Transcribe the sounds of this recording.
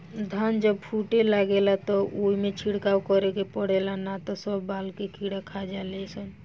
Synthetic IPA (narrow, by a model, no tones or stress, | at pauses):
d̪ʱand͡ʒəb̚pʰuʈelaɡelat̪ɔoimet͡ʃʰiɽkawkɔɾekepɔɽelanat̪ɔsəbːalkekiɽakʰad͡ʒalesən